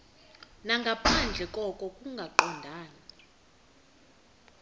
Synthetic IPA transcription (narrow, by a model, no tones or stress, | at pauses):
naŋɡʱapʰand͡ɮʱɛkʼɔkʼɔkʼuŋɡʱaǃɔndʱaːna